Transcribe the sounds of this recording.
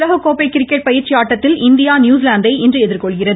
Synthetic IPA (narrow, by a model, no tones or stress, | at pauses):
ðɐɣɐkoːpɛɪkːɪɾɪkːɐʈpɐjɪɾt͡ʃɪaːʈːɐt̪ːɪlɪnd̪ɪjaːnjuːs̬ɪlaːnd̪ɐɪʔɛndrɯɛðɪɾkɔɭɣɪrɐðɯ